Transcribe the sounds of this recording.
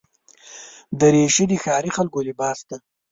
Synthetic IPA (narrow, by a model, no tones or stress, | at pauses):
d̪əɾeʃid̪ixɑːɾixalɡolɪbɑːsd̪a